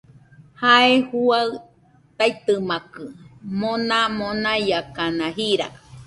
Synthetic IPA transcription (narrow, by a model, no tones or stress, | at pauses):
haehuaɨ | t̪ait̪ɨmãkɨmõnãmõnãjakanãɦiɾa̰